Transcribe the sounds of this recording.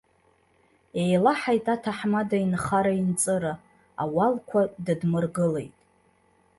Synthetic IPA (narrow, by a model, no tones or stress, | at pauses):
ejlaħajtʼatʰaħmadainχaɾaint͡sʼɨɾa | a̰walkʷʰadɨdmɨrɡɨle̞jtʼ